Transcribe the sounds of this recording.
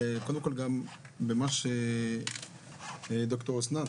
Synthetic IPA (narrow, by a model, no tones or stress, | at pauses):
kold̪emko̞lɡam | bemaʃe | d̪okt̪oʁosna